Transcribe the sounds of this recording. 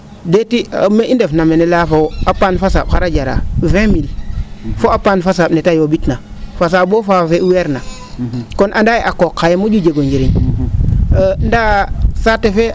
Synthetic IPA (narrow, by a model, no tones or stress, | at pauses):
detimeʔindefnamenelafawapanfasa̰ɓxaɾad͡ʒaɾa̰vɛ̃milfoapaːnfas̬aːɓnetajobitna | fas̬abofafeuweɾna | konʔandajeʔakokʰːajemod͡ʒud͡ʒeɡod͡ʒeɾiɲ | ndasatefe